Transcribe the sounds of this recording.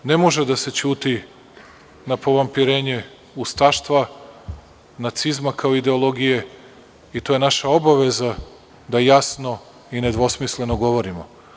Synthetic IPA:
ne̞mo̞ʒed̪ase̞t͡ɕuːt̪i | napo̞ʋampiɾe̞ːɲe̞ | ust̪aʃt̪ʋa | nat̪sizmakaoid̪e̞olˠo̞ɡije̞ | it̪oje̞naʃao̞baʋe̞za | d̪ajasno̞ | ine̞d̪ʋo̞smisle̞noɡo̞ʋo̞ɾimo̰

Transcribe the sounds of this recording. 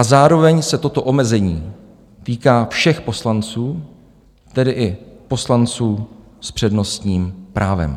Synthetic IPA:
ʔazaːɾo̞vɛɲsɛt̪o̞t̪o̞ʔo̞mɛzɛɲiː | t̪iːkaːfʃɛxpo̞slant͡suː | t̪ɛdɪʔɪpo̞slant͡suː | spr̝̥ɛdno̞st̪ɲiːmpɾaːvɛ̰m

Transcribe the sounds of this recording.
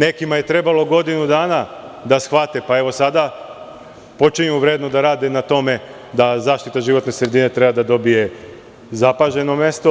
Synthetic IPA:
ne̞kimaje̞t̪ɾe̞balo̞ɡo̞d̪inud̪aːna | d̪asxʋat̪epae̞ʋo̞sad̪a | po̞t͡ʃiɲuʋɾeːd̪nod̪aɾaːd̪enat̪o̞me̞ | d̪azaːʃt̪it̪aʒiʋo̞t̪ne̞sɾe̞d̪ine̞t̪ɾe̞bad̪ad̪o̞bije̞ | zapaʒe̞no̞me̞st̪o̞

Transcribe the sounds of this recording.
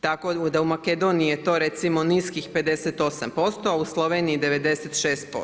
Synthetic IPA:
t̪akod̪aumake̞d̪o̞nijije̞t̪o̞ːɾet̪simo̞niskixpe̞d̪e̞set̪o̞sa̰mpo̞st̪o̞auslˠoʋe̞ːniid̪e̞ʋe̞d̪e̞set̪ʃe̞ːst̪̚po̰

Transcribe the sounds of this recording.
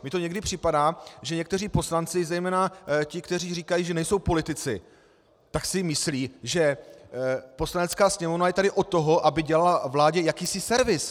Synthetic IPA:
mɲɪt̪o̞ɲɛɡdɪpr̥ɪpadaːʒɛɲɛk̚t̪ɛriːpo̞slant͡sɪzɛjmɛːnacɪkt̪ɛriːriːkajiːʒɛnɛjso̞wpo̞lɪt̪ɪt͡sɪ̰ | t̪aksɪmɪsliːʒɛ | po̞slanɛt͡skaːsɲɛmovnajɛt̪adɪʔot̪ːo̞ɦo̞ʔabɪɟɛlalavlaːɟɛjakiːsɪsɛɾvɪs

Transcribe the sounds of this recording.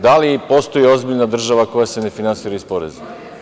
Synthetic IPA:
d̪alipo̞st̪o̞jio̞zbiʎnad̪r̩ʒaʋako̞jase̞ne̞finansiːɾaispo̞ɾḛzu

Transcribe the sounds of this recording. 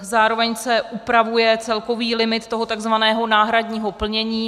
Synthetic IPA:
zaːɾo̞vɛɲsɛʔupɾavujɛt͡sɛlko̞viːlɪmɪt̪ːoɦot̪aɡzvanɛːɦo̞naːɦɾadɲiːɦo̞pl̩ɲɛɲiː

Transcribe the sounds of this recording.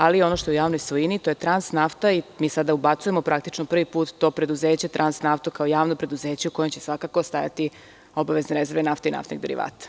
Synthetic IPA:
alio̞no̞ʃt̪oujaːʋnojsʋojinit̪o̞je̞t̪ɾansnaft̪aimiːsad̪aubat̪suje̞mopɾak̚t̪it͡ʃnopr̩ʋipuːt̪ːo̞ːpɾe̞d̪uzeːt͡ɕet̪ɾʔansnaft̪ukaojaːʋnopɾe̞d̪uze̞ːt͡ɕeuko̞jo̞mt͡ɕe̞sʋakako̞st̪aja̰t̪i | o̞baʋe̞zneɾeze̞ɾʋenaft̪eina̰ft̪nḭɡd̪e̞ɾḭʋa̰ːt̪ḁ

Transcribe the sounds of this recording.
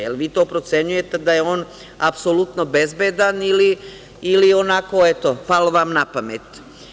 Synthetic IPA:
jelʋiːt̪oːpɾot̪se̞ɲuje̞t̪e̞d̪ajeoːn | apsolut̪nobezbeːd̪anili | ilionakoet̪opaloʋamnapamet̪

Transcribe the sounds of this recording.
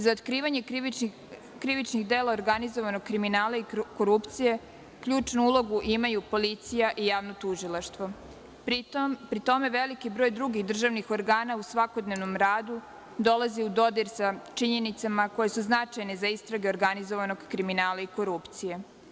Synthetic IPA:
zaot̪kɾiːʋaɲe̞ | kɾiʋit͡ʃniɣd̪elaoɾɡanizoʋanoɡ̚kːɾiminaːlˠaiko̞ɾupt̪sije̞ | kʎuːt͡ʃnuulˠo̞ɡuʔimajupo̞lit̪sijaʔijaːʋnot̪uʒilˠaʃt̪ʋo̞ | pɾmpɾit̪o̞me̞ʋelikibɾoːjd̪ɾuɡixd̪r̩ʒaʋnixo̞ɾɡaːnausʋako̞d̪ne̞ʋno̞mɾaːd̪u | d̪o̞laziud̪o̞d̪iɾsat͡ʃiɲe̞nit̪samako̞je̞suznat͡ʃajne̞zaist̪ɾaɡe̞oɾɡanizo̞ʋano̞ɡkɾiminaːlaiko̞ɾupt̪sije̞

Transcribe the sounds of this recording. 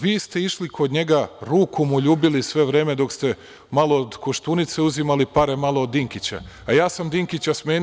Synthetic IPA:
ʋiːst̪e̞iʃlikʰo̞d̪ɲe̞ɡaɾuːkumuʎuːbilisʋe̞ʋɾe̞ːme̞d̪o̞kst̪e̞ | malo̞od̪koʃt̪uːnit̪se̞uzimalipaɾemalˠo̞od̪ːiŋkit͡ɕa̰ː | jaːsamd̪iŋkit͡ɕasmeːn

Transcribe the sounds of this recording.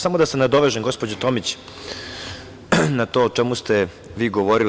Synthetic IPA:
samod̪asanad̪oʋeʒeɡo̞spod͡ʑet̪omit͡ɕ | nat̪oːt͡ʃemust̪e | ʋiːɡoʋoɾil

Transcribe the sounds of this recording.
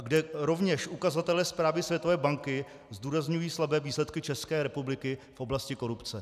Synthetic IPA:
ɡdɛɾo̞vɲɛʃʔukazat̪ɛlɛːspɾaːvɪsvjɛt̪ovɛːbaŋkɪ | zduːɾazɲujiːslabɛːviːslɛt̪kɪt͡ʃɛskɛːɾɛpublɪkɪfʔo̞blascɪko̞ɾupt͡sɛ

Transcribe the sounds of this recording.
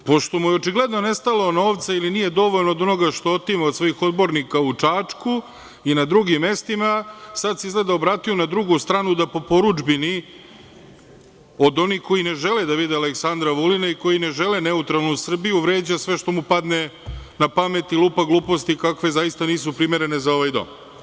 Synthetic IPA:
po̞ʃt̪o̞mujeot͡ʃiɡle̞d̪no̞ne̞st̪alono̞ːʋt̪sailinije̞d̪o̞ʋo̞ʎnoːd̪o̞no̞ɡaʃt̪oot̪imaod̪sʋoixo̞d̪bo̞ɾnikaut͡ʂaːt͡ʂku | inad̪ɾuɡimːe̞st̪imasad̪seizɡle̞d̪aobɾaːt̪ijunad̪ɾuɡust̪ɾaːnud̪apo̞po̞ɾud͡ʒbini | o̞d̪o̞nixko̞jine̞ʒe̞led̪aʋid̪ealeksand̪ɾaʋulinaiko̞jine̞ʒe̞lene̞ut̪ɾalˠnusr̩bijuʋɾe̞ːd͡ʑasʋe̞ʃt̪o̞mupad̪ne̞napame̞t̪ilˠuːpaɡlˠuːpo̞st̪ikakʋe̞zajist̪aniːs̬upɾime̞ɾe̞ne̞zao̞ʋajd̪o̞̰m

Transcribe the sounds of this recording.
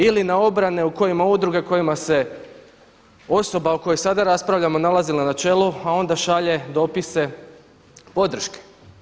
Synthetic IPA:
ilinao̞bɾane̞uko̞jimaud̪ɾuɡe̞ko̞jimase̞ | o̞so̞bauko̞josad̪aɾaspɾaʋʎamo̞nalˠazilanat͡ʃe̞luao̞nd̪aʃaʎe̞d̪o̞pise̞ | po̞d̪ɾ̩ʃke̥

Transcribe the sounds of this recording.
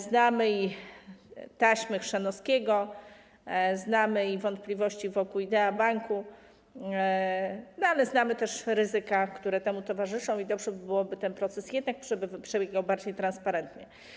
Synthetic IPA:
znamɘi | t̪aɕmɘxʂɛnɔskʲɛɡɔ | znamɘivɔnt̪̚plʲivɔɕt͡ɕivɔkuid̪ɛabaŋku | nɔalɛznamɘt̪ɛʂɾɘzɘkakt̪uɾɛt̪ɛmut̪ɔvaʐɘʂɔ̃w̃id̪ɔbʐɛbbɘwɔbɘt̪ɛnpɾɔt̪sɛsjɛd̪nak̚pʂɛbɘvpʂɛbʲjeɡawbaɾd͡ʑejt̪ɾanspaɾɛnt̪ɲɛ

